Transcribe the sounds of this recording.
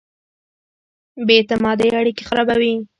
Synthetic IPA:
bet̪amɑd̪eaɽikexaɾabawi

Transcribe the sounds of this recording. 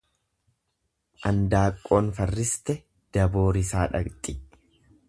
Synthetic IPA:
ʔɐnd̪aːkʼːo̞ːnfɐrːɪst̪ɛ | d̪̥ɐbo̞ːɾɪsaːᶑɐ̰kt̪ʼɪ

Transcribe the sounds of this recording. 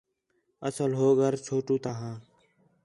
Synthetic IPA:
əsəlɦoːɡəɾt͡ʃʰoːʈũːt̪aɦãː

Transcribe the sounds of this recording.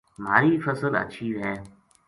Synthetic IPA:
ma̰ːɾiːfəsələ̰tːʃʰiɦɛː

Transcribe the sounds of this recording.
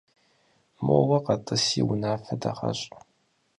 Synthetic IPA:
moːwɐqɐtʼɨsiwʊnaːfɐdɐχɐ̰ɕʼ

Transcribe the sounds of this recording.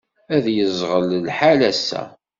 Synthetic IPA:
æðjəzˤʁəllħalæsːæ̰

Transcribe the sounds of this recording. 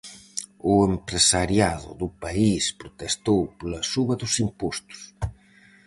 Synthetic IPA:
ʊempɾesaɾjaðʊ̰ðʊpaispɾot̪est̪owpolɐsuβɐðʊsimpost̪ʊ̥s

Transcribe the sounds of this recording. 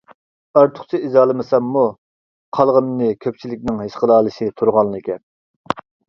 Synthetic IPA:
ɑɾt̪ʰʊ̥χt͡ʃʰiizɑːlˠɨmɨsɛmːu | qʰɑlˠʁənːɨkʲʰøp̚t͡ʃʰilɪk̚ʲnɪŋɦeʃqəlˠɑːlˠɨʃit̪ʰuɾʁɑnːˠɨkʲʰɛ

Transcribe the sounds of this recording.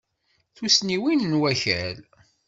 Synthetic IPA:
θusniwinnwæçæl

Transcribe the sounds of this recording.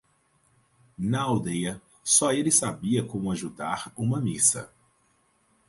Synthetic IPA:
nɐawd̪ejɐ | sɔelɪsabiɐkõmʊaʒud̪aɾũmɐmisɐ̰

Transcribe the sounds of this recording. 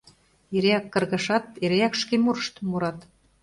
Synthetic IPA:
eɾeɑkːɤ̆rɣə̆ʃɑt̪eɾeɑkʃkemurʃt̪muɾɑt̪

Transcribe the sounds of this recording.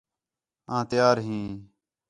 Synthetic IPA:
ãːt̪ɪjaːɾɦĩː

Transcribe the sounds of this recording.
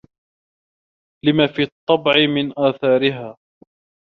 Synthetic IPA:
lɪmaːfiːɑt̪ˤːɑbʕɪmɪnʔaːθɑːɾɪɦaː

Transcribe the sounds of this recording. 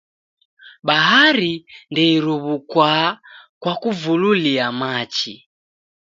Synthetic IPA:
ɓaɦaɾindɛiɾuβukwakwakuvululiamat͡ʃi

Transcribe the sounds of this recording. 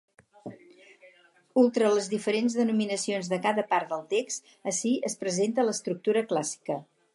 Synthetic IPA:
ulˠt̪ɾələzðifəɾenzðənuminəsionzðəkaðəpaɾt̪d̪əlˠt̪ekst̪ | əsiʔəspɾəzent̪ələst̪ɾuk̚t̪uɾəklasi̥kə

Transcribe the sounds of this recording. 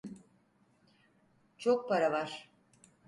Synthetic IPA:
t͡ʃʰok̚pʰaɾavaɾ̥

